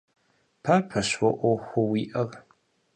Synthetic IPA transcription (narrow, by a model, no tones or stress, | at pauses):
pʰapʰɐɕwɔʔʷɔxʷʊwiːʔɐr